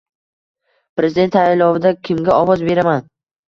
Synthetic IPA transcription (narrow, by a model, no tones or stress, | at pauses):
pɾe̞zɪd̪e̞nt̪ʰaɪlɒvɪd̪akʲʰɪmɡʲaɒvɒzbe̞ɾaman